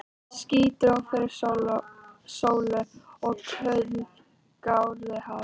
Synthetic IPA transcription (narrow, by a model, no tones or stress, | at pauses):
sciːt̪ʏɾawfɪɾɪɾlsoːwlʏɔɣkʰœɥt̪n | kawðɪhaː